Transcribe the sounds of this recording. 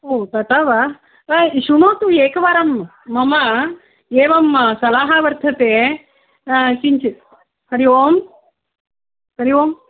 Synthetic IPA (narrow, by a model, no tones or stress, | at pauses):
oːt̪ɐt̪aːʋa | ʃunoːt̪ueːkɐʋaːɾɐmː | ɐmɐ | eːʋɐmsɐlaːɦaːʋɐɾt̪ʰɐt̪eː | t͡ʃiɲt͡ʃi | kɐɾiʋoːm | kɐɾiʋoːm